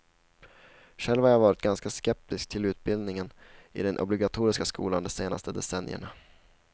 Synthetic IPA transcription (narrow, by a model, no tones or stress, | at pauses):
ʂɛlːvhaɾaːvɑːɾɪt̪̚ɡanskaskɛp̚t̪ɪskt̪ʰɪlʉ̟ːt̪̚bɪld̪nɪŋənɪ̰d̪ɛnʔɔ̰blɪɡat̪ʰuːɾɪskaskṵːland̪ɛseːna̰st̪əd̪ɛsɛnjə̰ɳa